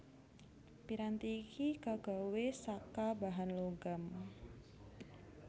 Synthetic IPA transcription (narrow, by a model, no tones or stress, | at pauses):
piɾant̪iːkʰikaɡ̥awesakabaɦanloɡam